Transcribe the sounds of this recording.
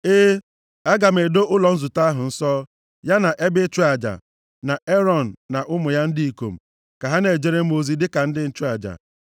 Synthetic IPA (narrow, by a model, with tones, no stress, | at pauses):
e˦ | a˦ɡa˨m̩e˨do˦ʔʊ˦lɔ˨n̩˦zʊ˨ta˦a˦ɦʊ˨n̩˦sɔː˦ | ja˦na˨ʔe˦bɪ˦t͡ʃu˦a˨d͡ʒa̰˨ | na˨e˦ɾɔ˦˨n̩ː˨a˨ʔʊ˦mʊ˨ja˦n̩˦di˦i˨ko̰˨m̩˨ | ka˨ɦa˦ne˨d͡ʒe˦ɾe˦m̩˦o˨zi˦dɪ˦ka˨n̩˦dɪ˦n̩˦t͡ʃu˦a˨d͡ʒa̰˨